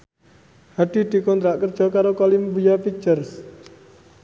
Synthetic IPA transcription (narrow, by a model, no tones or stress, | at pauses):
haɖ̪̥i̤d̪̥i̤kɔnt̪ɾaʔkərd̥ʒ̥ɔ̤kaɾokɔliməbujapit͡ʃərs